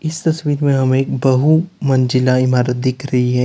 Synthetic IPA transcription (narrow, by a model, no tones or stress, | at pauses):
ɪst̪ɐswiːɾmẽɦɐmeːkbɐɦumɐ̃nd͡ʒɪlaɪmaːɾət̪̚d̪ɪkʰɾɐɦiɦɛ̃ː